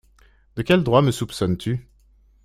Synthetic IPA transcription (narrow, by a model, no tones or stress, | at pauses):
d̪̥əkʲɛld̪ʁwaməsupsɔnt̪ʰy